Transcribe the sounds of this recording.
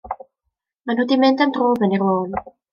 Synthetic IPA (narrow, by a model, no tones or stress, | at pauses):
manhudimɪndamdroːvənirwoːn